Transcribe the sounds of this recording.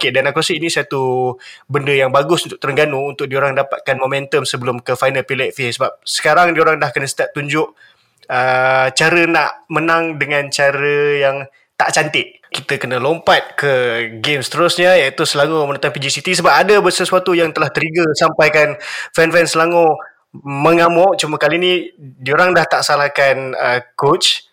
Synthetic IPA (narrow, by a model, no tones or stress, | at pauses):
okedanakuɾasəinisat̪ubəndəjaŋbaɡʊsunt̪ʊk̚t̪əɾəŋɡanuːnt̪ʊk̚dioɾaŋdapat̪̚kanmomɛ̃nt̪əmsəbəlʊmkəfajnəlpilɛʔfesəbap̚sə̥kaɾaŋdioɾaŋdahkənəsət̪aʔ̚t̪uɲd͡ʒʊʔ | ət͡ʃaɾənaʔmənaŋdəŋant͡ʃaɾəjaŋ | t̪a̰ʔt͡ʃant̪ɪʔ | kit̪əkənəlompat̪̚kəɡemst̪əɾʊsɲəjait̪usəlaŋomənət̪ampid͡ʒisit̪is̬əbap̚adabəsəsuat̪ujaŋt̪əlaht̪əɾiɡəsampajkanfɛnfɛnsəlaŋo | məŋamoʔt͡ʃuməkalinidioɾaŋdaht̪aʔsalahkanəkot͡ʃ